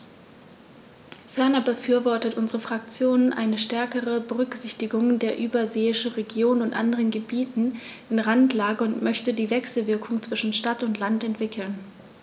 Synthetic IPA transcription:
fɛɐnɐbəfyːɐvɔɐtətʔʊnzəʁəfʁ̥ak̚t͡sjoːnənʔa̰ɪnəʃtɛɐkəʁəbəʁʏkz̥ɪçtɪɡʊŋdeːɐʔyːbɐzeːɪʃn̩ʁeɡjoːnʊntʔa̰ndəʁənɡəbiːtn̩ | ʔɪnʁantlaːɡəʊntmʔœçtədiːvɛksl̩vɪɐkʰʊŋt͡sv̥ɪʃn̩ʃtatʊntlantɛntv̥ɪkʰl̩n

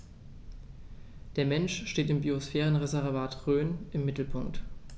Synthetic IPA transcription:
d̥eːɐmɛnʃʃteːtɪmbiosfɛːʁ̞ənʁezɛʁvaːtʁøːnʔɪmːɪtl̩pʰʊŋkt

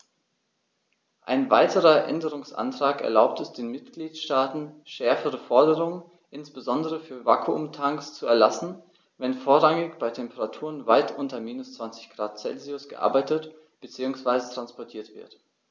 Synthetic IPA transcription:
ʔa̰ɪnva̰ɪtʰəʁɐʔɛ̰ndəʁʊŋsʔa̰ntʁ̥aːkɛ̰ɐlaʊp̚tɛsd̥eːnmɪtɡ̥liːtʃtaːtn̩ʃɛɐfəʁ̞əfɔɐdəʁʊŋən | ʔɪnsb̥əzɔndəʁəfyːɐvaːkʰuʊmtʰaŋkst͡suɛɐlasn̩ | vɛnfoːɐʁaŋɪçb̥aɪtʰɛmpəʁatʰuːʁənvaɪtʔʊntɐmiːnʊst͡sv̥ant͡sɪ̥çɡ̥ʁaːt̚t͡sɛ̰lziʊsɡ̥əʔa̰ɐbaɪtət | b̥ət͡siːʊŋsv̥aɪzətʁ̥anspɔɐtʰiːɐtv̥ɪ̰ɐt

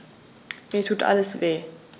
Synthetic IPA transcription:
mɛtʰuːtʰa̰ləsveː

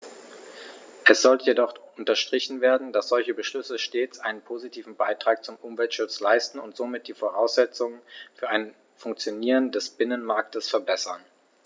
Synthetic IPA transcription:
ʔɛsz̥ɔltəjedɔχʊntɐʃtʁ̥ɪçn̩veːɐdn̩d̥asz̥ɔlçəbəʃlʏsəʃteːt͡sʔaɪnənpʰoːzitʰiːvn̩baɪtʁ̥aːk̚t͡sʊmʔʊmvɛltʃʊt͡slaɪstn̩ʊntz̥oːmɪt̚d̥iːfoʁaʊsz̥ɛt͡sʊŋənfyːɐaɪn | fʊŋkt͡sjoniːʁəndɛsb̥ɪnənmaɐk̚təsfɛɐbɛsɐn

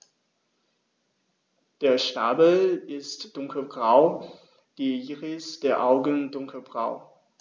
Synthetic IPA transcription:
d̥eːɐʃtaːbl̩ɪstd̥ʊŋkʰl̩bʁaʊ | ɡ̥iiːʁɪsd̥eːɐʔaʊɡəndʊŋkʰəl̩bʁa̰ʊ

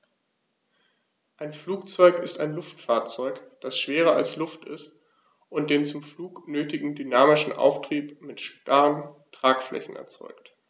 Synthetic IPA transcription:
ʔaɪnfluːk̚t͡sɔʏkɪstaɪnlʊftfaːɐt͡sɔʏkd̥asʃv̥eːʁ̞ɐalslʊftɪ̰st | ʔʊnt̚d̥eːnt͡sʊmfluːknøːtɪɡŋ̩dynaːmɪʃn̩ʔa̰ʊftʁ̥iːpmɪtʃpaʁəntʁ̥aːkflʔɛ̰çn̩ɛ̰ɐt͡sɔ̰ʏkt

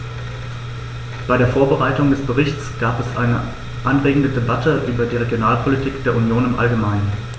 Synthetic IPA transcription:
b̥aɪɾeːɐfoːɐbəʁaɪtʊŋdɛsb̥əʁɪçtt͡sɡ̥aːpɛsʔa̰ɪnə | ʔanʁeːɡŋ̩dədebatʰəʔyːbɐdiːʁ̞eɡjonaːlpʰolitʰiːkd̥eːɐunjoːnɪmʔa̰lɡəmaɪnən

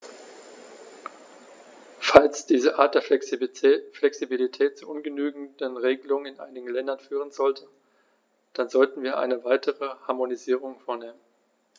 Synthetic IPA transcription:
falsd̥iːzəʔaɐt̚d̥eːɐ | flɛksibilitʰɛːtt͡suʔʊnɡənyːɡŋ̩dənʁeːɡəlʊŋənɪnʔa̰ɪnɪɡŋ̩lɛndɐnfyːʁənzɔltʰə | d̥anzɔltn̩viːɐʔa̰ɪnəvaɪtʰəʁəhaɐmoniziːʁ̞ʊŋfoːɐneːmən

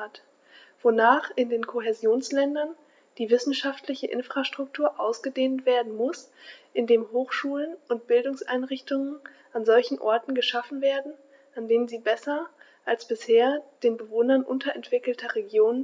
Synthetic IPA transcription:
at | v̥onaːχɪndeːnkʰoɦezjoːnslɛndɐn | d̥iːvɪsn̩ʃaftʰlɪçəʔɪ̰nfʁ̥aʃtʁ̥ʊk̚tʰuːɐʔaʊsɡ̥ədeːntv̥eːɐdn̩mʊsʔɪndeːmɦoːxʃuːlənʔʊnt̚b̥ɪldʊŋsʔa̰ɪnʁɪçtʊŋən | ʔanzɔlçn̩ʔɔ̰ɐtn̩ɡəʃafn̩veːɐdn̩ | ʔandeːmənziːbɛsɐ | ʔalsb̥ɪsheːɐd̥eːnbəvoːnɐnʔʊntʰɐʔɛntv̥ɪkl̩tʰɐʁeɡjoːnən

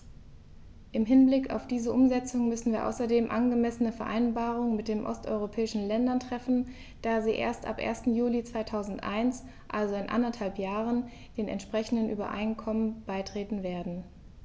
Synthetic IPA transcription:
ʔɪmɦɪnblɪka̰ʊfd̥iːzəʔʊmzɛt͡sʊŋəmʏsn̩viːɐʔa̰ʊsɐdeːmʔa̰nɡəmɛsənəfɛɐʔa̰ɪnbaːʁ̞ʊŋəmɪt̚d̥eːnʔɔ̰stʔɔ̰ʏʁopʰɛːɪʃn̩lɛndɐntʁ̥ɛfn̩ | d̥aːziːʔḛːɐstʔa̰pʔḛːɐstn̩juːlit͡sv̥aɪtʰaʊzn̩tʔa̰ɪns | ʔalzoɪnʔa̰ndɐthalpjaːʁ̞ən | d̥eːnɛ̰ntʃpʁ̥ɛçn̩dənʔy̰ːbɐ̰ʔa̰ɪnkʰɔmənb̥aɪtʁ̥eːtn̩veːɐdn̩

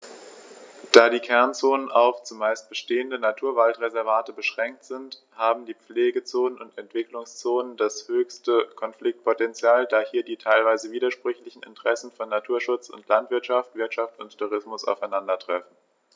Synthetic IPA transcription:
d̥aːdiːkʰɛɐnt͡soːnəna̰ʊft͡sʊmaɪst̚b̥əʃteːəndənatʰuːɐvaltʁezɛɐvaːtəbəʃʁ̥ɛŋk̚tz̥ɪnt | haːbm̩diːp͡fleːɡət͡soːnənʊntɛntv̥ɪklʊŋst͡soːnəndashøːçstəkʰɔnflɪk̚t̚pʰotɛnt͡sjaːldaːhiːɐdiːtʰaɪlvaɪzəviːdɐʃpʁ̥ʏçlɪçn̩ɪ̰ntəʁ̥ɛsn̩fɔnːatʰuːɐʃʊt͡sʊ̰ntlantv̥ɪɐtʃaftv̥ɪɐtʃaftʊnttʰːuʁ̞ɪsmʊsa̰ʊfaɪnandɐtʁ̥ɛfn̩

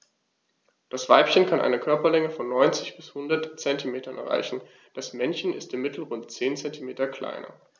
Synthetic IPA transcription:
d̥asv̥aɪpçənkʰanʔa̰ɪnəkʰœɐpɐlɛŋəfɔnːɔʏnt͡sɪçb̥ɪshʊndɐtt͡sɛntimeːtɐnʔɛ̰ɐʁa̰ɪçn̩ | d̥asmɛnçn̩ɪstɪmmɪtʰl̩ʁʊntt͡seːnt͡sɛntimeːtɐkl̥a̰ɪnɐ̰

